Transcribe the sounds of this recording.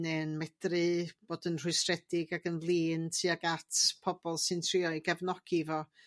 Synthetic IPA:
nenmɛdrɨb̥oːdənr̥ʊɨsrɛdɪɡaɡənlˠiːntʰiːaɡatʰpʰɔb̥ɔlˠsɨntʰr̥iɔiɡavnɔɡ̥ivɔ

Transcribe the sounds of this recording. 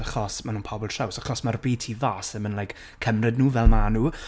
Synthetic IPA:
aχɔsmanuːnpʰɔbɔlˠtrawsaχɔsmarbiːtʰivaːsɛmənlˠajk | kʰəmrɨdnuːvɛlˠmanuː

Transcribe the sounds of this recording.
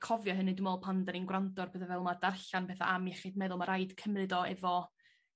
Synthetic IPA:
kʰɔvjɔɦənidɪmɔːlˠpʰandaninɡwrantɔrbeːðavɛlˠmadarɬanpɛθa̰ʔamjɛχɪd̚mɛðʊlˠmaɾajd̥kʰəmrɨdɔɛvɔ

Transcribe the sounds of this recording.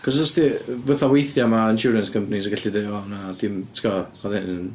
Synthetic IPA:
kʰɔsɔstivəθawejθjamaɪnʃuɾənskʰəmpʰanis̬ɡaɬideanad̥ɪmtʰkɔɔðɪnn

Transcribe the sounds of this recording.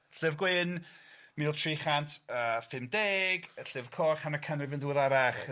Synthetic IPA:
ɬɪvɡwɪnmiːʊlˠtʰriχantʰəfɪmdeːɡəɬɪv̥kʰɔχhanakʰənrɪvɪnðuəðaɾaχ

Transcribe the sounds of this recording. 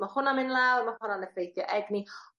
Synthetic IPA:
mahʊnamɪnlɛwrmahʊnanəfrejθjɔʔɛɡni

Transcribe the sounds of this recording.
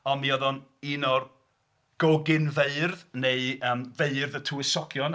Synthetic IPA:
ɔmiɔðɔniːnɔr | ɡ̥ɔɡɪnveɨrðneɨəːmveɨrðətʰuɪsɔɡjɔn

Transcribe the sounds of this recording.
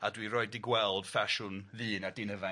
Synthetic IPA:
adwiɾɔɨdɪɡwɛlˠd̥faʃʊnvɨːnadɪnəva

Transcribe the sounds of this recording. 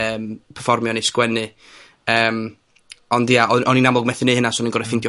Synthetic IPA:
əːmpʰərfɔrmjɔneskwɛnɨ | əːm | ɔndiaʔɔʔɔninamlɔɡmɛθɨnɨːhənasɔɔninɡɔɾɛfɪndjɔ

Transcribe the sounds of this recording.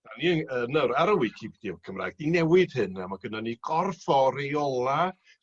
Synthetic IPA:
d̥aniənənəwɾaɾəwikʰibd̥ikʰəmra̰ːjɡ̥̚dinɛwɪd̥hɨnamaɡənaniɡ̥ɔrfɔɾejɔlˠa

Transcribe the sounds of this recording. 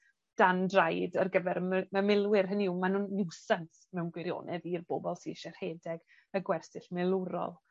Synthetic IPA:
d̥andrajdərɡəvɛɾməmɪlˠwɪrɦəniwmanunːɪwsant | mɛwnɡwɪɾjo̰ːnʔɛðirboːbɔlˠsḭʃɛr̥heːdɛɡ | əɡwɛrsɪɬmɪlˠuɾɔ̰lˠ

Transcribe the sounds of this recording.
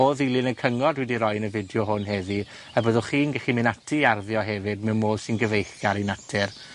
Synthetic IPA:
oːðilˠɪnəkʰəŋɔdwɛdiɾɔjnəvɪdjʊɦʊnɦɛði | abəðʊχiːnɡɛχimɪnatʰiarðjɔɦɛvɪdmɛmoːðsɪnɡəvejχɡ̥aɾinatʰɪr

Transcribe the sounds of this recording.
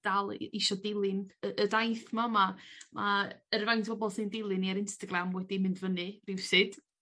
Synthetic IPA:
d̥alˠɪʃɔdɪlˠɨnəʔədajθmamamʔaərvantʰb̥ɔbɔlˠsɨndɪlˠɨniaɾɪnstaɡɾamwɛdimɪndvənɨrɪwsɨd̥

